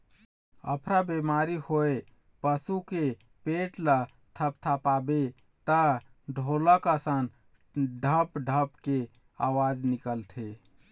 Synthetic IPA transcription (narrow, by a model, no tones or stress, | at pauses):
ə̰pʰɾabemaɾihoe | pəsuke | peʈlə | t̪ʰəpt̪ʰapabe | t̪ə | ɖʱoləkəsən | ɖʱəpɖʱəpke | a̰wad͡ʒnikəlt̪ʰe